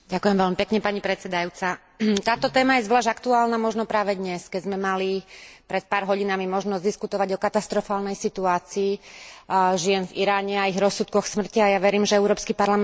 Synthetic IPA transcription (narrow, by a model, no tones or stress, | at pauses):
ɟakʊjɛmʋɛlmipɛkɲɛpaɲipɾɛt͡sɛd̪ajuːt͡sa | t̪aːt̪ɔt̪ɛːmajɛzʋlaːʒakt̪uaːlnamɔʒnɔpɾaːʋɛd̪ɲɛskɛzmɛmalipɾɛt̪̚paːɾɦɔɟinamimɔʒnɔzd̪iskut̪ɔʋaɟɔkat̪ast̪ɾɔfaːlnɛjsit̪uaːt͡siː | ʒɪɛnviɾaːɲɛaiɣɾɔsːut̪̚kɔxsmr̩ciajaʋɛɾiːmʒɛɛʊɾɔːpskipaɾlam